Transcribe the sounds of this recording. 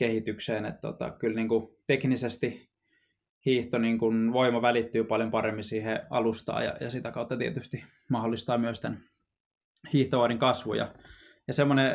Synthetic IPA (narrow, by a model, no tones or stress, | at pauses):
kehit̪ykseːnḛt̪t̪o̰t̪ɑ̰kylniːŋkut̪eknisest̪i | hiːht̪oniːŋkunʋoimɑʋælit̪ːyːpɑljompɑremːisiːheɑ̰lust̪ɑ̰ːjɑ̰jɑ̰sit̪ækɑut̪ːɑt̪iet̪yst̪i | mɑholːist̪ɑːmyøst̪æn | hiːht̪oʋɑːɾiŋkɑsʋṵjɑ̰ | jɑsemːone